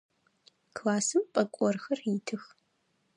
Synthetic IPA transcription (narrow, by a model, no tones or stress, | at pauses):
kʰlaːsɨmpʼɐkʷʼɔrxɐritʰɨx